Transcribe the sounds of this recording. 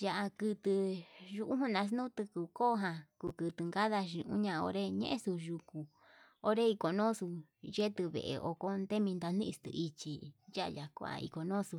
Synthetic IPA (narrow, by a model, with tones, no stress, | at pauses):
ja˧˨ʔa˧kɨ˧t̪ɨ˧ʒu˧ʔu˦ɦũ˦nã˧s̬nũ˦t̪ɨ˧ku˧koː˦˧ɦã˧ku˧˨kɨ˧t̪ɨ˨ŋɡa˦ða˧ʃĩ˧ʔṵ̃˦ɲã˧o̰˧ɾe˦ɲḛ̃˦ʔẽ˦su˧ʒu˧ku˧ | o˧ɾe˦i˧ko˨nõ˦su˧je˦t̪ɨ˧βḛ˧˨ʔḛ˨ʔo̰˧ko˦nd̪e˦mĩ˧nd̪a˧nĩ˦ʔi˧st̪ɨ̰˧i˧t͡ʃi˧ja˦ʔja˨kʷo˧˨a̰˧ḭ˧ko˨nõ˦su˧